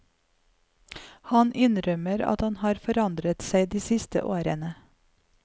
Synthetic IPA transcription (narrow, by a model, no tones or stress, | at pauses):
hɑnʔɪnɾœməɾɑ̰t̪hɑnhɑːɾfɔɾɑnd̪ɾət̪sæɪd̪iːsɪst̪ə̰ʔoːɾənə